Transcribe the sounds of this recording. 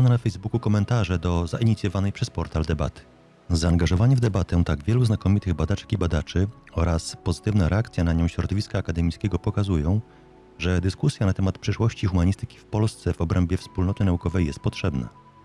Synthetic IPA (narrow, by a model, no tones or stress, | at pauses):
pananafɛjzbukukɔmɛnt̪aʐɛd̪ɔzaʔiɲit̪sʲjɔvanɛjpʂɛspɔɾt̪ald̪ɛba̰t̪ɘ̥ | zaːŋɡaʐɔvaɲɛvd̪ɛbat̪ɛ̃t̪aɡvʲjɛluznakɔmʲit̪ɘɣbad̪at͡ʂɛ̥kʲibad̪at͡ʂɘɔɾaspɔzɘt̪ɘvnaɾɛakt̪sʲjanaɲɔ̃w̃ɕɾɔd̪ɔvʲiskaːkad̪ɛmʲitskʲɛɡɔpɔkazujɔ̃w̃ | ʐɛd̪ɘskusʲjanat̪ɛmat̪pʂɛʂwɔɕt͡ɕixumaɲist̪ɘkʲifpɔlst̪sɛvɔbɾɛmbʲjɛfspulnɔt̪ɘnaukɔvɛjːɛst̪̚pɔtʂɛbnɛ̰